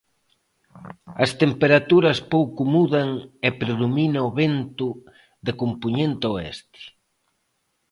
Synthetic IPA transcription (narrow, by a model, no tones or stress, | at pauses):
ɐst̪empeɾat̪uɾɐspowkʊmuðɐŋepɾeðominɐoβent̪ʊ | ðɪkompuɲent̪oɛ̰st̪ɪ̥